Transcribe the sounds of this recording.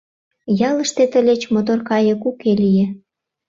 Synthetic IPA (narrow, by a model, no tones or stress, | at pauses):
jɑləʃt̪et̪əlʲet͡ɕmot̪orkɑjə̆kukelije